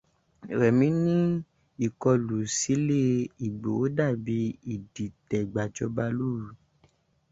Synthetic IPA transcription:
ɾɛ˨mĩ˨˦nĩ˦ | i˦˨kɔ˧lu˨si˨˦le˦i˨ɡ͡bo˨o˨˦da˦˨bi˧˦i˨di˨tɛ˨ɡ͡ba˨d͡ʒɔ˧ba˧lu˦˨ɾu˨

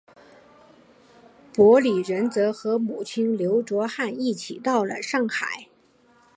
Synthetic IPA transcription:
pwɔ˧˥li˨˩ɻə˧˥nt͡sɤ˧˥xɤ˧˥mu˨˩t͡ɕʰi˥nljo˧˥ʊʈ͡ʂwɔ˧˥xa˥˧ni˥˩t͡ɕʰi˨˩t̪ɑ˥˩ʊlə̰˩ʂɑ˥˩ŋxa˨˩˦ɪ

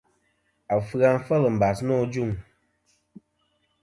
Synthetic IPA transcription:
a˨fɨ˦a˨ŋ˦fə˦lə˨m̩˨ba˨snɔː˦˨d͡ʒu˦˨ŋ

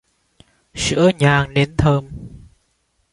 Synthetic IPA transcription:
sɨ̰˧˥əɲaː˨˩ŋɗe˨˦nt̪ʰəː˧m

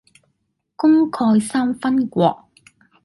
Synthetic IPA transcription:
kʊ˥ŋkʰɔː˧jsaː˥mfɐ˥nkʷɔ̰ː˧k̚

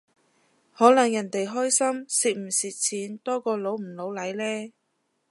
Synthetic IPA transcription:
hɔː˨˥lɐ˨˩ŋjɐ˨˩nt̪e˨jɦɔː˥jsɐ˥msiː˧t̚m̩˨˩siː˨˧t̚t͡sʰiː˨˥nt̪ɔː˥kɔː˧lo˨˥wm̩˨˩lo˨˥wlɐ˨˥jlɛː˥

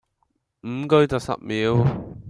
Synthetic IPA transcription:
m̩˨˩kɵ˧ɥt͡sɐ˨wsɐ̰˨p̚miː˨˧˥w

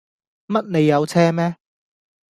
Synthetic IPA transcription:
mɐ˥t̚ne˨˧jːɐ˨˧wt͡sʰɛː˥mɛː˥

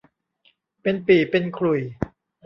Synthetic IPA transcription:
pe˧npiː˨˩pe˧nkʰlu˨˩j

